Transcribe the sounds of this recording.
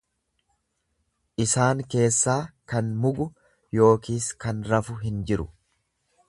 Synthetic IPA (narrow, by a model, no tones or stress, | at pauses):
ʔɪsaːŋke̞ːsːaːkɐnmʊɡʊ | jo̞ːkiːskɐnɾɐfʊɦɪnd͡ʒɪɾʊ